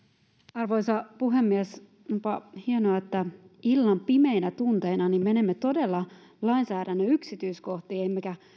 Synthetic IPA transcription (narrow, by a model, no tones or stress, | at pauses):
ɑrʋoisɑpuɦemːies | nupɑhienoɑet̪ːæilːɑmpimeinæt̪unt̪einɑnimmenemːet̪o̞delːɑ | lɑinsæːɾænːøyksit̪yiskoht̪iːemːekæ